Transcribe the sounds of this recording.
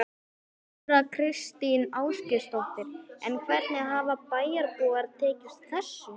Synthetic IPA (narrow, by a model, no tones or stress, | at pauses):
ɾakʰɾɪst̪inaːwscɪst̪ɔht̪ɪɾɛnkʰvɛɾt̪nɪaɦaːvapaːjaɾpoːɣaɾt̪ʰɛːcɪst̪θɛsːʏ